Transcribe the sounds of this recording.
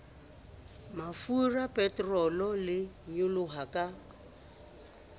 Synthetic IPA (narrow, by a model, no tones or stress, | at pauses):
mafurapʼɛtʼrɔlɔlɪɲʊlʊɦakʼa